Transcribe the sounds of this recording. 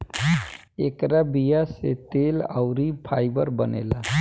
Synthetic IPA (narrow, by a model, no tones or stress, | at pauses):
ekɾabijaset̪ela̰ʊɾipʰaɪbəɾbənḛla